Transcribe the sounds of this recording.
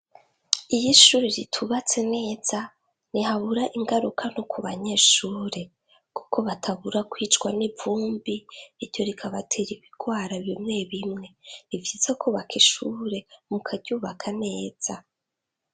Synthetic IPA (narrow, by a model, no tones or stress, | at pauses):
ijiʃuːɾeɾitʰuβat͡se̞ne̞ːz̥a | niɦaβuɾaʔiŋɡaɾukʰanokʰuβaɲe̞ːʃuːɾe̞ | ku̥kʰo̞βatʰaβuɾakwiːt͡ʃɡwanivuːmbiniɾjo̞ɾikʰaβatʰeɾiβiɡ̥waːɾaβimŋe̞βimŋe̞ɾivjiz̥akuːβakiʃuːɾe̞mukʰaɟuːβakʰane̞ːz̥a